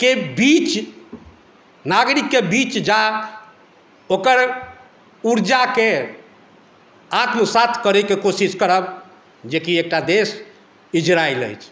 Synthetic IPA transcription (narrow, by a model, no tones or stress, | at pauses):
kebit͡ʃ | naɡɾikːebit͡ʃd͡ʒa | okəɾ | uɾd͡ʒake | at̪məsat̪ʰkəɾekekosiskəɾəb | d͡ʒekiek̚ʈad̪es | id͡ʒɾailə̰jt͡ʃʰ